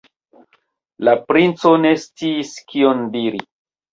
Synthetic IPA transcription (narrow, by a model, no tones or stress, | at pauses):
lapɾint͡so̞ne̞st͡siːskiondiɾi